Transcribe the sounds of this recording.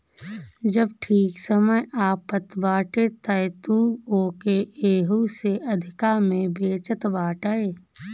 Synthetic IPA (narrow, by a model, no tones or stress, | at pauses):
d͡ʒəbʈʰiːksəməjaːpət̪baːʈet̪əjt̪uoːkeʔeːɦuseʔɐd̪ʱɪkamẽbeːt͡ʃət̪baːʈaeː